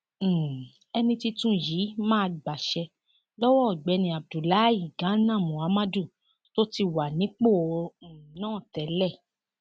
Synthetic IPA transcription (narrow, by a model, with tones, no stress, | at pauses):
ɛ˧nĩ˧ti˧tũ˦jiː˨˦mãː˦˧ɡ͡ba˨ʃɛ˧ | lɔ˦wɔ˦˨ɡ͡bɛ˧nĩ˧a˨b̚du˨la˨˦i˦˨ɡã˨˦nã˦˨mũ˨a˨˦ma˦du˦˨ | to˦ti˧wa˨nĩ˨˦k͡po˦˨õ˧˨nãː˦˨tɛ˨˦lɛ˦˨